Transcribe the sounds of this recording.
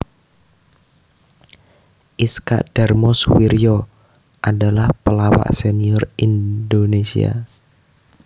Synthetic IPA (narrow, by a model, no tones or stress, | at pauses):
ʔiska̰ʔd̥armɔswiɾjɔ | ʔadalahpəlawa̰ʔseniɔrindonesḭa̰